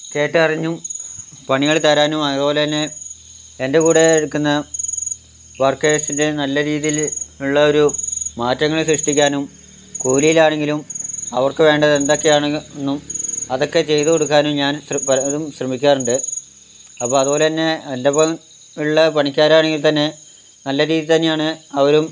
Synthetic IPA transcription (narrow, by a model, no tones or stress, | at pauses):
ke̞ːʈːɨɐrɐɲːumpɐɳiɣɐɭt̪ɐɾaːnumɐbo̞ːleɐnːe̞ː | nde̞kuːɽe̞ːɽukːunːɐ | ʋɐrkeːsinde̞nɐlːɐɾiːðijiluɭːɐo̞ɾumaːtːɐŋːɐɭiɕrɨʂʈik̬ʲːaːnum | kuːlijilaːɳe̞ŋɡilumɐʋɐrkɨʋe̞ːɳɖɐðe̞nd̪o̞kːe̞jaːɳnːumɐðo̞kːe̞t͡ɕe̞jt̪ɨkoɽukːaːnumɲaːnsrpɐðumɕrɐmikʲːaːruɳɖɨ | ɐpːoːɐðubo̞ːle̞nːe̞ndɐpɐ | uɭːɐpɐɳikʲːaːɾaːɳeŋɡilt̪ɐnːe̞ | nɐlːɐɾiːðit̪ɐnːejaːɳɨɐʋɐɾum